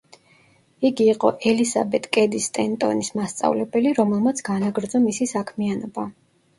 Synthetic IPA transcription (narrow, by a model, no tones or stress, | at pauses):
iɡiːqʼɔ̰ʔɛlisa̰bɛt̪ʼkʼɛd̪ist̪ʼɛnt̪ʼɔ̰nismast̪sʼa̰vlɛbɛliɾɔmɛlˠmat̪sʰɡ̥anaɡɾd̪zɔmisisakʰmianɔba